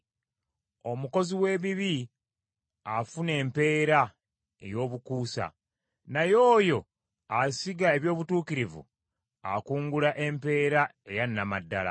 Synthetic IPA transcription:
o̞muko̞ziwe̞ːβiβi | afune̞ːmpe̞ːɾa | ḛjo̞ːβukuːsa̰ | najo̞ːjo̞ | asiɡae̞βjo̞ːβutuːkiɾivṵ | a̰kuːŋɡulaʔe̞mpe̞ːɾae̞jannamadːala̰

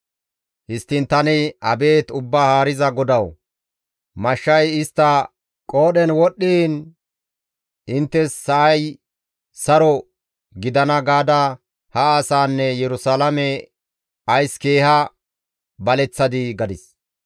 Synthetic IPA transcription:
hɪst̪ːɪnt̪ɐnɪɐbe̞ːt̪ʊbːaːhaːɾɪzɐɡɔd̪ɐw | mɐʃːɐjɪst̪ːɐ | kʼo̞ːɗɛnwɔɗːiːn | ɪnt̪ːɛsːɐʔɐj | sɐɾɔ | ɡɪd̪ɐnɐɡaːd̪ɐ | hɐaːsaːnːɛjɛɾʊsaːlɐmɛ | ɐjske̞ːhɐ | bɐlɛt͡sːɐd̪ɪɡɐd̪ɪs

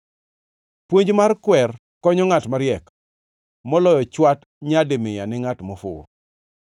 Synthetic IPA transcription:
pwoɲd͡ʒmarkwɛr | kɔɲɔŋatmaɾjɛk | mɔlɔjɔt͡ʃwat | ɲadɪmɪjanɪŋatmɔfʊ̰

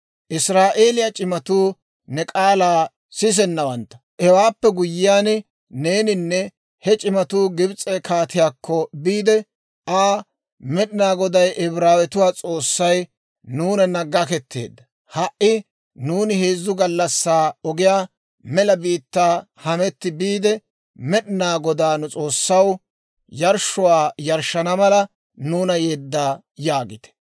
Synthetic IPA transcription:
ʔɪsɾaːʔeːlɪjat͡ʃʼɪmɐt̪uː | nɛkʼaːlaː | sɪs̬ɛnːɐwɐnt̪ːɐ̥ʔɛwaːpːɛɡʊjːɪjaːn | neːnɪnːɛ | hɛt͡ʃʼɪmɐt̪uːɡɪbt͡sʼːɛkʰaːt̪ɪjaːkʰːɔbiːd̪ɛ | aː | mɛɗɪnaːɡɔd̪ɐjʔɛbɾaːwɛt̪ʊwaːt͡sʼo̞ːsːɐj | nuːnɐnɐɡɐkɛt̪ːḛːd̪ːɐ | hɐʔɪ | nuːnɪheːzːʊɡɐlːɐsːaːɔɡɪjaː | mɛlɐbiːt̪ːaː | hɐmɛt̪ːɪbiːd̪ɛ | mɛɗɪnaːɡɔd̪aːnʊt͡sʼo̞ːsːɐw | jɐɾʃʊwaːjɐɾʃːɐnɐmɐlɐ | nuːnɐjeːd̪ːaː | jaːɡɪt̪ɛ̥

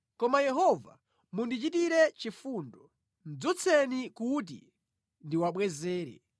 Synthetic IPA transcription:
kɔmajɛɦɔva̰ | mundit͡ʃitiɾɛt͡ʃifuːndɔ | n̩d͡zut͡sʰɛnikut̬ḭ | ndiwaɓwɛzɛːɾɛ̰

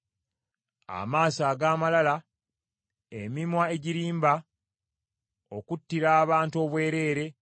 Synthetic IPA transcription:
a̰maːsaːɡaːmalala | emimwae̞ɟiɾiːmba | o̞kutːiɾaːβaːntuo̞ːβwe̞ːɾe̞ːɾe̞

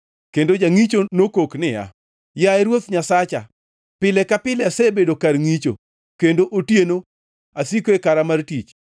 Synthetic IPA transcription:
kendod͡ʒaŋit͡ʃonokoknɪja̰ | jaɛɾwot̪ɲasat͡ʃa̰ | pɪlɛkapɪlɛasɛbedokarŋit͡ʃo̰ | kendoʔotjeno | asikoekaɾamartit͡ʃ

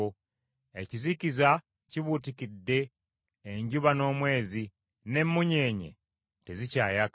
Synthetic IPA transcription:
o | e̞ciziciza | ciβutikidːe̞ː | ɲɟuβano̞ːmwe̞ːzi | ne̞mːuɲe̞ːɲḛ | tezicaːjak

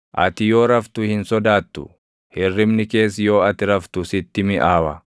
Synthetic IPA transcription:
ʔɐ̰t̪ɪjo̞ːɾɐft̪ʊhɪnsɔd̪aːt̪ːʊ̰ | hɪrːɪmnɪke̞ːsjo̞ːɐt̪ɪɾɐft̪ʊsɪt̪ːɪmɪʔaːwɐ

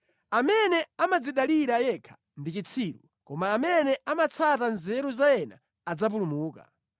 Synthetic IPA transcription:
amɛnɛamad͡ziɗaliɾajɛkʰḁ | ndit͡ʃit͡sʰiːɾṵ | kɔmaːmɛnɛamat͡sʰatanzɛɾuzajɛna̰ː | d͡zap̬ulumuːka̰

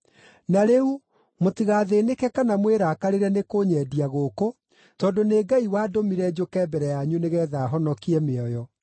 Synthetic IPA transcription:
naɾeu | motiɣaðeːnekɛkanamweɾakaɾeɾɛnekoɲɛːdiaɣoko | tɔːdoneːɡaiwaːdomiɾɛd͡ʒokɛbɛɾɛjaɲuneɣɛːðaːɦɔnɔkiɛmeɔjɔ

